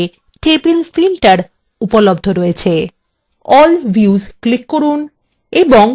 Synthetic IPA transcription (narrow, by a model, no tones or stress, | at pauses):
ʈebilfilʈaɾ | upolob̚d̪ʱoɾoet͡ɕʰe | ɔlbʱjuzklikːoɾun | eboŋ